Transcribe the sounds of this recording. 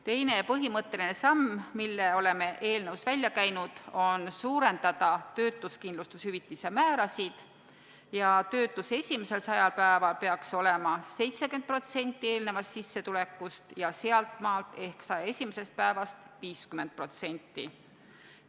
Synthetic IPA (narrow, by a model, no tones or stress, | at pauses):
t̪e̞jne̞pɤɦimɤt̪ːe̞line̞sɑmmilːeo̞le̞me̞ʔeːlne̞wsvælʲːjɑkæjnud̪̥o̞nsuːɾe̞nd̪̥ɑd̪̥ɑt̪ø̞ːt̪ːˑuskind̪lust̪ushyvit̪ːˑisemæːɾɑsid̪̥ | jɑt̪ø̞ːt̪ːˑuse̞sʲimese̞lsɑjɑlpæevɑlpe̞ɑkso̞le̞mɑse̞jt̪sekynt̪̚pro̞t̪se̞nʲt̪ːˑie̞ːlne̞vɑst̪sisːe̞t̪ule̞kːˑust̪jɑseɑlt̪ˑmɑːlt̪ˑe̞hksɑje̞sʲimese̞st̪̚pæevɑst̪viːskyme̞nd̪̚pro̞t̪se̞nʲt̪ːˑḭ